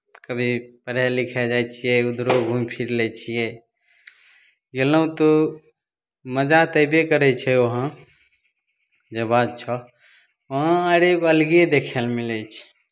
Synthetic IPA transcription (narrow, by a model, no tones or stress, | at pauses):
kəbʱipəɾjɛlikʰɛd͡ʒajt͡ʃʰijɛud̪ɾoɡʱũmpʰiɾlɛt͡ʃʰijɛ | jeləũt̪ɔ | məd͡ʒat̪əjbekəɾɛt͡ʃʰɛoɦã | d͡ʒəbad̪̚t͡ʃʰɔ | əɦãaɾekoəlɡied̪ekʰɛlmilɛt͡ʃʰi̥